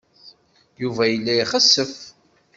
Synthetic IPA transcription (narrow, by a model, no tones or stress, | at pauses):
juvæjəlːæiχəsːəf